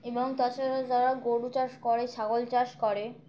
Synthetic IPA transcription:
eboŋt̪ɔt͡ɕʰaɾad͡ʑaɾaɡoɽut͡ɕaʃkɔɾeʃʰaɡolt͡ɕaʃkɔɾe

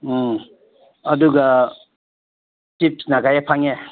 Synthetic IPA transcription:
ʌduɡa | tip̚snaɡajapʰaŋe

